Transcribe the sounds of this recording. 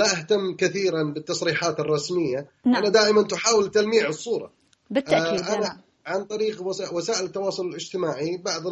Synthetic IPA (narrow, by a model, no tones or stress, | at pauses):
laʔaht̪amːkɪθiːɾanbɪt̪ːɑsˤɾiːħaːt̪ɨrˤːɑsmɪjːaʔanad̪aːʔɪmant̪ʊħaːwɪlt̪almiːʕɨsˤːuːɾˤɑ̰ | bɪt̪ːaːʔana | ʕant̪ˤɑɾiːqawasaːʔɪlɪt̪ːɑwɑːsˤʊlɪlɪd͡ʒt̪ɪmaːʕibaʕðˤɪ